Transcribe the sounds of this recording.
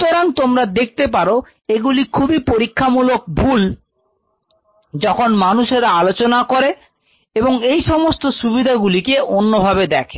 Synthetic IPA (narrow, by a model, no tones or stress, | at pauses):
t̪oɾant̪omɾad̪ek̚ʰt̪ep̬aɾo | eɡulikʰubipoɾikʰːamulok̚bʱul | d͡ʑɔkʰonmanuʃeɾaalot͡ɕonakoɾe | eboŋejʃɔmost̪oʃubid̪ʱaɡulikeʔonːobʱabed̪ɛkʰe̥